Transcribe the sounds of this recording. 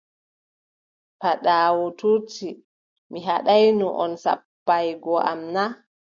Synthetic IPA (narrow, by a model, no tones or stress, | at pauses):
paɗaːwɔtʰuti | miɦaɗajnuʔɔ̰nsa̰pːajɡɔʔamna